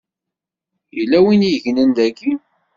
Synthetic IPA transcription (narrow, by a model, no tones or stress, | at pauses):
jəlːæwinjəʝnənd̪æɡi